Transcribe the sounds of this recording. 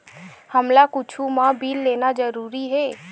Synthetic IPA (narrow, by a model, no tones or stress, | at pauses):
həmlakʊt͡ʃʰumãbʱiːlːeːnad͡ʒəɾuːɾiɦɛː